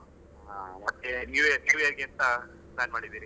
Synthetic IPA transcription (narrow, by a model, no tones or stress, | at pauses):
amɐt̪ːenjuːjɐɾnjuːjɐɾiɡeɐnt̪ɐ | pnaːnmaːɽid̪iːɾi